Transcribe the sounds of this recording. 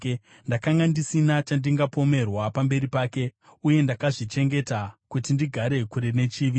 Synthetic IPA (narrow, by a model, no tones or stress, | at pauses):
ndakaŋɡandisinat͡ʃandiŋɡapo̞me̞rwapambe̞ɾipaːke̞ | uje̞ndakaʐit͡ʃe̞ŋɡe̞takutindiɡʱaɾe̞kuɾene̞t͡ʃiːʋi